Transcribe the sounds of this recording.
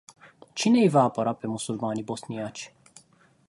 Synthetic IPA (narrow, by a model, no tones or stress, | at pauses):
t͡ʃine̞jvaːpəɾape̞musulmanibo̞snijat͡ʃʲ